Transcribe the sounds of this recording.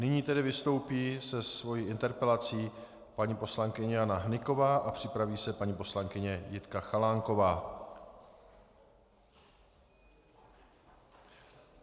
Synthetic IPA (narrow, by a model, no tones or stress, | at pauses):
nɪɲiːt̪ɛdɪvɪst̪o̞wpiːsɛsvo̞jiːʔɪnt̪ɛɾpɛlat͡siː | paɲiːpo̞slaŋkɪɲɛjanaɦnɪko̞vaːʔapr̝̥ɪpɾaviːsɛpaɲiːpo̞slaŋkɪɲɛjɪt̪kaxalaːŋko̞vaː